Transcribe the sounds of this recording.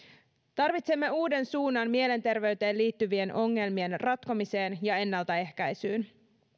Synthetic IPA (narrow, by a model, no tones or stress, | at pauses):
t̪ɑrʋit̪se̞mːe̞uːde̞nsuːnːɑnmiele̞nt̪e̞rʋe̞yɥt̪e̞ːnliːt̪ːyʋie̞nʔo̞ŋːe̞lmie̞nrɑt̪komise̞ːnjɑe̞nːɑlt̪æe̞hkæjsyːn